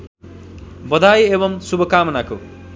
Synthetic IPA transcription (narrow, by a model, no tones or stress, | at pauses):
bʌd̪ajebʌmsubʱʌkaːmʌnako̰